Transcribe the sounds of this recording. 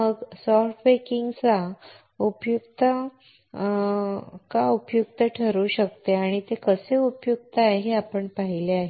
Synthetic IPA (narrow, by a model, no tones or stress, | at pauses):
məɡsɔfʈʋekiŋɡt͡sa | upjukt̪ə | kaupjuk̚t̪əʈʰəɾuːɕəkt̪eaɽ̃it̪ekəseupjuk̚t̪aajɦeapəɳpaɦileaɦe